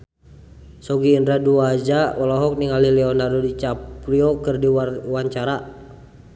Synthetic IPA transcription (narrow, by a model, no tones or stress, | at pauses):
sɔɡiːndɾaduad͡ʒawɔlɔɦɔk̚niŋalilɛɔnadodit͡ʃapɾiɔkɨrdiwaɲt͡ʃaɾa